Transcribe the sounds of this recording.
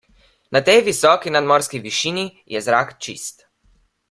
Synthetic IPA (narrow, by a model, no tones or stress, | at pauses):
nat̪ɛjʋisɔːkinad̪mɔːɾskiʋiʃiːnijɛzɾaːkt͡ʃḭst̪